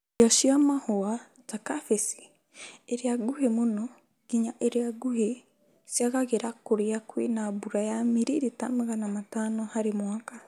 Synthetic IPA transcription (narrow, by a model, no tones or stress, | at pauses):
oʃiamahoa | takafesi̥ | eɾiaɡuhemuno | ɡ̥iɲaʔeɾiaɡuɦe | sjaɣaɣeɾakuɾiakwḛnabuɾajamiɾiɾitamaɣanamatanohaɾimwaːka